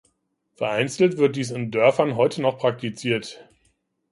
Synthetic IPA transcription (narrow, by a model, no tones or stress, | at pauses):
fɛɐʔaɪnt͡sl̩tv̥ɪɐt̚d̥iːs̬ɪndœɐfɐnɦɔʏtʰənɔχpʁ̥ak̚tit͡siːɐt